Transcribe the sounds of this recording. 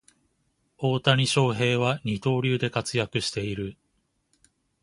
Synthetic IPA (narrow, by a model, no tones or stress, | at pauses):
o̞ːt̪aɲ̟ʲiɕo̞ːɦe̞ːβ̞aɲ̟it̪o̞ːɾʲɨːd̪e̞kat͡sɨjakɯ̟ɕi̥t̪e̞iɾɯ̟